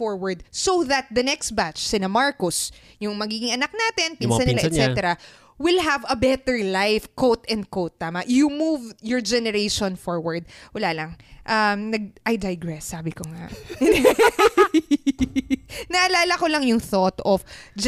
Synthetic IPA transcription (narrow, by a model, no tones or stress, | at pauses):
fɔɹwɐɹd̪̚sowðɐt̪̚d̪ɐnɛkst̪̚bat̪t͡ʃsɪnɐmaɹkʊs | jʊŋmɐɡiːɡɪŋʔɐnak̚naːt̪ɪnpiːnsanːɪlaʔ̪ɛt̪ɛɾɐ | wɪlɦɐvɐbɛt̪ɛɹlajfkot̪ɛ̃nd̪̚kowt̪ːaːmɐʔjumuvjɔɹd͡ʒɛnɛɾeɪʃɔ̃nfɔɹwɐɹd̪̚wɐlaːlɐŋʔɐmnɐɡ̚ʔɐjd̪ajɡɹɛsːaːbɪkoŋa̰ | nɐʔɐlaːlɐkolɐŋjʊŋθot̪ɔfd͡ʒ